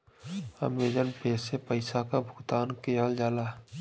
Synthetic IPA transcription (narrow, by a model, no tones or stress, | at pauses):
ə̰meːd͡ʒənpeːsepəɪsakabʱʊkt̪aːnkeːɦəld͡ʒaːlaː